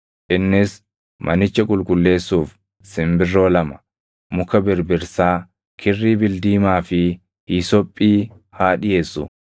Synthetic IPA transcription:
ʔɪnːɪs | mʔɐnɪt͡ʃːɐkʼʊlkʼʊlːe̞ːsːuːf | sɪmbɪrːo̞ːlɐmɐ̥ | mʊkɐbɪɾbɪɾsaː | kʰɪrːiːbɪld̪iːmaːfɪ | hiːsɔpʼːiː | haːᶑɪje̞ːsːʊ

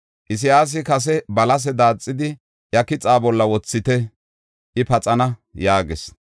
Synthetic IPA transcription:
ʔɪs̬ɪjaːs̬ɪkɐs̬ɛbɐlɐs̬ɛd̪aːt͡sʼːɪd̪ɪ | jɐkɪt͡sʼaːbɔlːɐwɔt͡sːɪt̪ɛ | ʔɪpɐt͡sʼɐnɐjaːɡɛs

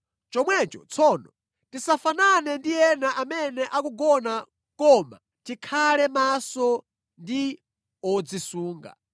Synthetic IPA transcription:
t͡ʃɔmwɛt͡ʃɔt͡sʰɔːnɔ | tisafananɛndijɛnaʔamɛnɛʔakuɡɔna | kɔma̰ | tikʰalɛmasɔ | ndi | ɔd͡zisuːŋɡa̰

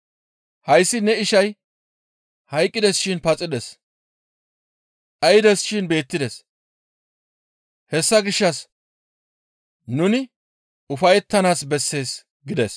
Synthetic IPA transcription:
hɐjsːɪnɛɪʃɐj | hɐjkʼːɪd̪ɛsʃɪnpɐt͡sʼɪd̪ɛs | ʔɐjɪd̪ɛsʃɪnbe̞ːt̪ːɪd̪ɛs | hɛsːɐɡɪʃːɐs | nʊnɪ | ʊfɐjɛt̪ːɐnaːsbɛsːe̞ːs | ɡɪd̪ɛs

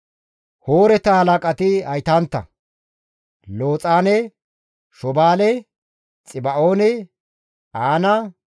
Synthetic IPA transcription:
hoːɾɛt̪ɐhɐlakʼɐt̪ɪɐjt̪ant̪ːɐ̰ | loːt͡sʼaːnɛ | ʃɔbaːlɛ | t͡sʼɪbɐʔoːnɛ | aːnɐ

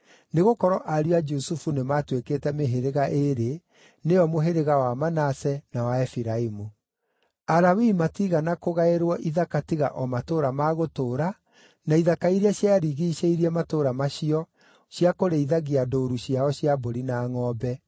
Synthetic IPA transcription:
neɣokɔɾɔʔaɾuad͡ʒusufunematwekeːtɛmeɦeɾeɣaʔeɾe | neɔmoɦeɾeɣawamanasɛnawaɛfiɾaimu | aɾawimatiɣanakoɣaeɾwɔʔiðakatiɣa̰ʔɔmatoːɾamaɣotoːɾa | naiðakaiɾiaɕjaɾiɣiʃeiɾiɛmatoːɾamaɕiɔ | ɕjakoɾeiðaɣiadoːɾuɕijaɔɕiaboɾinaːŋɔːbɛ

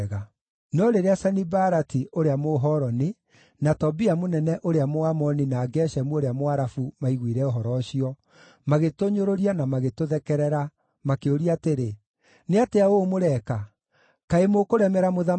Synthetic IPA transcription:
ɣa | nɔɾeɾeasanibaɾatiʔoɾeamoɦɔɾɔni | natɔbiamonɛnɛʔoɾeamoamɔninaːɡɛʃɛmuoɾeamoaɾafumaiɣwiɾɛoɦɔɾɔɕiɔ | maɣetoɲoɾoɾianamaɣetoðɛkɛɾɛɾa | makeoɾiateɾe | neateaomoɾɛka | kaemokoɾɛmɛɾamoða

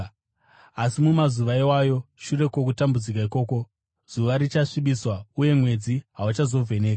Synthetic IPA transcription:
asimumazuʋaiwajo̞ʃure̞ko̞k̬utambud͡zikaiko̞ːko̞ | z̥uʋaɾit͡ʃaʂiɓiswauje̞mwe̞d͡ziɦaut͡ʃazo̞vʱe̞ne̞ːka

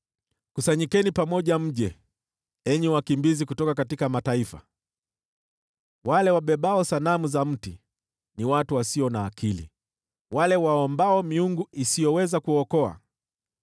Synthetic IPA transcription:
kusaɲikɛnipamɔʄam̩ʄɛ | ɛɲɛwakimbizikutɔkakatikamataifa̰ | walɛwaɓɛɓaɔsanamuzam̩ti | niwatuwasiɔnaːkʰilḭ | walɛwaɔmbaɔmiuŋɡuisijɔwɛzakuɔkɔa̰

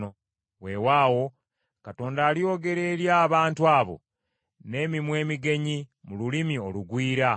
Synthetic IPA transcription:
o | wewaːwo̞ | kato̞ːndaːlio̞ːɡe̞ɾe̞ːɾjaːβaːntuaːβo̞̰ | ne̞ːmimwe̞ːmiɡe̞ɲimululimio̞luɡwiːɾa

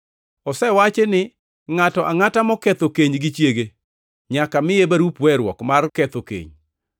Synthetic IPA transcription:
ɔsɛwat͡ʃenɪ | ŋatɔʔaŋatamɔkɛt̪okeɲɡɪt͡ʃjeɡe | ɲakamɪjebaɾupwɛɾwɔkmarkɛt̪okḛɲ

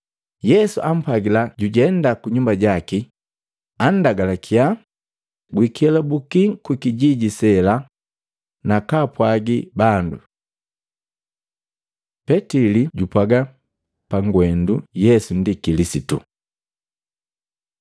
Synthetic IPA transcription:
jɛsuʔam̩paɡilaɟuɟɛndakuɲumbaɟaki | an̩daɡalakʰia | ɡwikɛlabukiŋkwikiɟiɟisɛla | nakapwaɡibandṵ | pɛtiliɟupwaɡa | paŋɡwɛndujɛsun̩dikilisitṵ

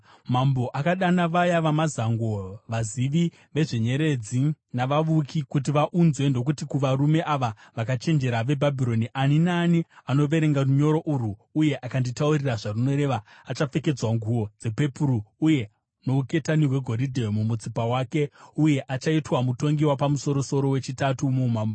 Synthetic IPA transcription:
mambo̞ʔakaɗanaʋajaʋamazaŋɡo̞ʋaziʋi | ʋe̞ʐe̞ɲe̞ɾe̞d͡zinaʋaʋukʰikut̬iʋaʔunzwe̞ndo̞k̬utikuʋaɾume̞ʔaʋaʋakat͡ʃe̞nd͡ʒe̞ɾaʋe̞bʱabʱiɾo̞niʔaninaːniano̞ʋe̞ɾe̞ŋɡaruɲo̞ɾo̞ʔuruːje̞ʔakanditauriraʐaruno̞ɾe̞ʋaːt͡ʃafe̞ke̞d͡zwaŋɡʱuo̞d͡ze̞pe̞puɾuuje̞ | no̞uke̞taniweɡʱo̞ɾidʱemumut͡sipawaːke̞uje̞ʔat͡ʃaitwamuto̞ŋɡiwapamuso̞ɾo̞so̞ɾo̞we̞t͡ʃitatumumaːmbo

